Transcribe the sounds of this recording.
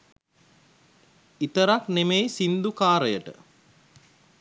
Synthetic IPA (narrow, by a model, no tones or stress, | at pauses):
it̪əɾaknemejsind̪ukaːɾəjəʈə̰